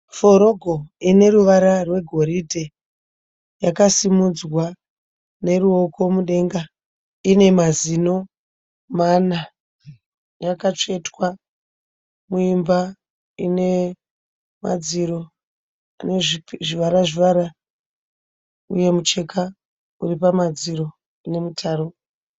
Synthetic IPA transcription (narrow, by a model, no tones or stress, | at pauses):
fo̞ɾo̞ɡʱo̞ine̞ruʋaɾarwe̞ɡʱo̞ɾidʱe | jakasimud͡zwa | ne̞ruo̞ko̞muɗe̞ŋɡa | ine̞mazino̞ | mana | jakat͡ʂe̞twa | muimba | ine̞ | ma̰d͡ziɾo̞ | aneʐʐiʋaɾaʐiʋaɾa | uje̞mut͡ʃe̞kʰa | uripamad͡ziɾo̞ | ne̞mutʰaːɾo